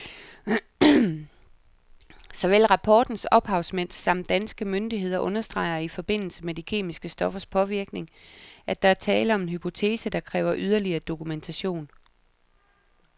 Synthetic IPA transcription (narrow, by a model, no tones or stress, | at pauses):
sɒ̽ʋel̰ʁɑ̈pʰɒːd̥n̩sɒ̽b̥hɑ̈ʊsmen̰sɑ̈m̰d̥ænsɡ̥əmønd̥iɦe̝ð̞̰ˠɐʔɔ̽nɐsd̥ʁɑ̈ɪ̰ɐifɒ̽b̥e̝n̰l̩səmedikʰe̝̰ːmisɡ̥əsd̥ɒ̽fɐspʰɒ̽ʋiɐɡ̥ne̝ŋʔæd̥ɑ̈æɐt͡sʰɛːləɒ̽me̝nhɦypʰo̝t͡sʰe̝̰ːsəd̥ɑ̈kʰʁɛːʊɐʔyð̞ˠɐliɐːd̥o̝kument͡sʰæɕo̝̰ːn